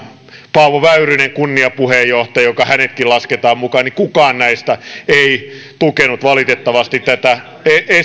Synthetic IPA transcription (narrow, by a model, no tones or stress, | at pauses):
pɑuʋoʋæyryneŋkunːiɑpuhejjoht̪ɑjokɑhænet̪kilɑsket̪ɑːmmukɑːnikukɑːnnæist̪æeit̪ukenut̪ʋɑlit̪et̪ːɑʋɑst̪it̪t̪æt̪æ | ee